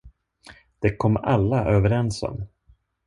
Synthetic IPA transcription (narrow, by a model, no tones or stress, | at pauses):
d̪̥ɛkʰɔmːalːaʔøːvəɾɛnsɔ̰m